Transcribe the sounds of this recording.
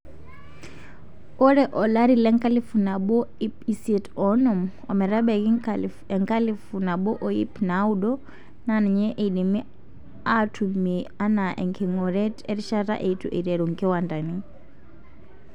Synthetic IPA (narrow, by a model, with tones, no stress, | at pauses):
ɔ˦ɾɛʔɔ˨la˦ɾilɛ˦ŋkʼa˦li˦funa˨ɓɔ˦ipisɛtɔ˦nɔ˨m | a̰˨mɛ˨ɾa˦ɓɛ˨ki | ɛŋka˦lifuna˨ɓɔ˦ʔɔ˨i˦pnauɗɔ˦ | nanɛ˨ɲɛ˦ʔe˨iɗi˨mi˦ | a˦tʰumia˦na˨ʔɛ̰˨ŋkʰɛŋɔ˨ɾɛ˦tɛ˦ɾi˦ʃa˦ɾa̰˦ʔe˨tu˨ʔḛ˨ɾɛ˨ɾu˨ŋkɛ˦wa˨nda˨ni˦